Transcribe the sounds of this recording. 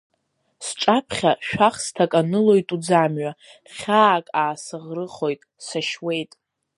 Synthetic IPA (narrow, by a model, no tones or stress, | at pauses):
sʈ͡ʂʼapʰχʲaʃᶣaχstʰakʼanɨlo̞jtʼud͡zamɥa | χʲaːkʼaːsɨʁrɨχo̞jtʼsaʃwe̞jtʼ